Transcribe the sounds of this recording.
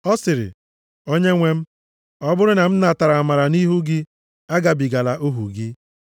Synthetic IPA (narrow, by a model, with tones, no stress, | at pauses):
ɔ˦sɪ˨ɾɪ̰˨ | o˦ɲe˦ŋʷe˦m̩˦ | ɔ˦bʊ˦ɾʊ˦na˨m̩˦na˨a˨ta˨ɾa˨a˨ma˨ɾa˨ni˦ɦu˦ɡɪ˦ | a˦ɡa˨bi˨ɡa˨la˨ʔo˦ɦṵ˨ɡɪ˦